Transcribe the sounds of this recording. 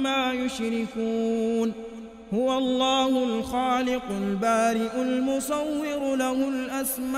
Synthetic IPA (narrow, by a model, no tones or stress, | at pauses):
maːjʊʃɾɪkuːn | hʊwaɑlˤːɑːhʊlxaːlɪqʊlbaːɾɪʔʊlmʊsˤɑwːɪɾlahʊlʔasma